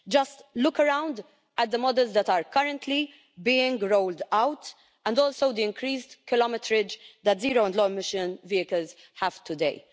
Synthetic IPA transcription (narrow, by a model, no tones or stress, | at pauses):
d͡ʒɐstlʊkəɹãw̃nd̪ | ɛt̪̚d̪əmɔd̪ɛlzd̪ɛt̪aːɾkɐɾə̃nt̪ʰli | biːɪ̃ŋɡɾold̪awt̪ | ɛ̃nd̪ɔːlsoʊd̪iɪ̃ŋkɾiːsdkɪlɔmɪt̪ɾɪd͡ʒd̪ɛtziːɾoɪ̃nd̪lɔːmɪʃɪ̃nviːɪkəlz | ħɛv̥t̪ʰʊd̪eɪ